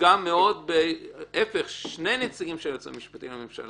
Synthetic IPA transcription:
amːeo̞d̪̚beʔefeχʃne̞jnet͡siɡimʃejot͡sḭmiʃpat̪ḭmlamemʃa̰l

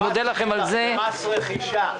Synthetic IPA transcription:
od̪elaχemalzeasχiʃa

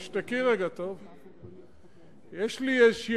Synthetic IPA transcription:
ʃt̪akiʁaɡat̪ov | jeʃlieʃ

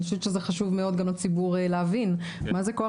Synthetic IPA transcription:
ʃut̪ʃezeχaʃuvme̞o̞d̪̚ɡamot͡sibuʁeleavin | mazeko̞a

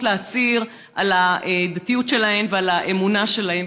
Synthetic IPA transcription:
tleat͡siʁ | alaed̪at̪ijutʃe̞lahe̞mvealaʔe̞munaʃe̞lahem

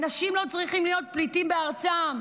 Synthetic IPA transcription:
naʃimlo̞t͡sʁiχimlijo̞t̪̚plitimbeaʁt͡sam

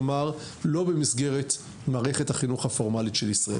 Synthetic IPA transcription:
maʁ | lo̞bemisɡeʁet | maːʁeχethaχinuχhafo̞ʁmalitʃelisʁaḛ

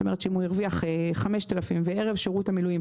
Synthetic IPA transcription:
ome̞ʁet̪ʃeimujiʁviaχeχameʃt̪alafimveeʁevʃeʁut̪hamilujim

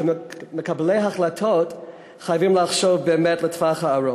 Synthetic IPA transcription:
mekablejɦaχlatʰot | χajavimlaχʃovbeːmɛtlətvaχhaːɹo

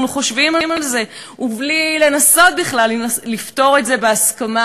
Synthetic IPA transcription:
nuχo̞ʃvimamalze̞ | ublile̞naso̞t̚biχlalːinaslift̪o̞ʁe̞tze̞beaskama

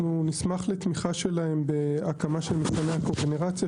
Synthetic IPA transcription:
unismaχlet̪miχaʃe̞laembe̞akamaʃelmesaneakoɡeneʁat͡sja

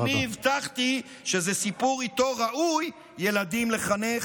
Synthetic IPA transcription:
iivt̪aχt̪i | ʃezesipuʁit̪o̞ʁaʔujː | e̞lad̪imle̞χane

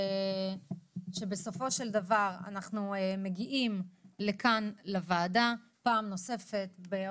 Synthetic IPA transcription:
ʃe̞be̞so̞fo̞ʃe̞ld̪avaʁa̰naχnueme̞ɡiʔimle̞kanlavaːda | paːmno̞se̞fe̞t̪be

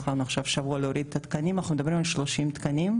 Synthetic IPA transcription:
χaʁnuaχʃavʃavuɐaleoɾid̪et̪at̪kanimanaχxnumed̪abɾimalʃlo̞ʃimt̪kanim

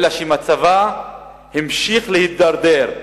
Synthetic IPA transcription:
laʃimat͡sava | himʃiχlehit̪̚d̪aɾd̪eɾ

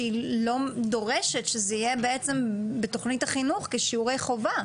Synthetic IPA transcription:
ilo̞do̞ʁeʃetʃezeijebeet͡se̞mbeto̞χnitaχinuχkeʃiuʁejχo̞va

